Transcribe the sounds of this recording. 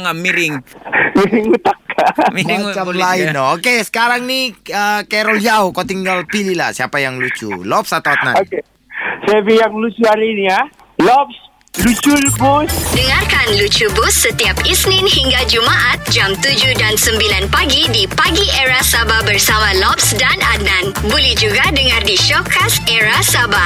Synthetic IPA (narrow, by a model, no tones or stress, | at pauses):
ŋamiɾɪŋmiɾɪŋut̪ak̚kamiɾɪŋalaɪnokesə̥kaɾaŋniəkɛɾɔld͡ʒaokot̪iŋɡalpilila̰hsiapajaŋlut͡ʃṵlɔp̚sat̪aat̪̚na̰oe | sebijaŋlut͡ʃualinia | lɔps | lut͡ʃulbusdəŋarkanlut͡ʃubʊsːət̪iap̚isnɪnhiŋɡad͡ʒumaʔat̪̚d͡ʒamt̪ud͡ʒudansəmbilanpaɡidipaɡieɾasababərsamalɔp̚sdanananbolɛhd͡ʒuɡadəŋardiʃɔkʰaseɾasaba